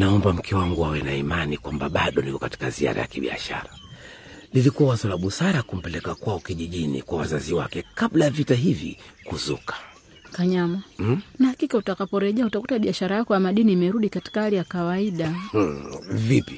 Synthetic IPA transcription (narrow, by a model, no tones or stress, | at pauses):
naɔmbam̩kʰɛwaŋɡuawɛnaimanikwambaɓaɗɔnikɔkati̥kazia̰ɾa̰ja̰kiɓḭa̰ʃa̰ɾa | lilikuawazɔlaɓusaɾakum̩pɛlɛkakwaɔkiʄiʄinḭkwawazaziwa̰kɛkaɓlajavitaɦivḭkuzukḁ | kaɲamanahakikautakapɔɾɛʄɛautakutaɓiaʃaɾajakɔjamaɗiniːmɛɾuɗikati̥kahalijakawaiɗa | vipi̥